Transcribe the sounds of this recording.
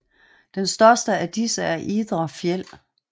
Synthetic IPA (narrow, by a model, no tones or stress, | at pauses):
d̥ensd̥ɶɐsd̥əæd̥isəæɐʔiːd̥ʁɐfjel̰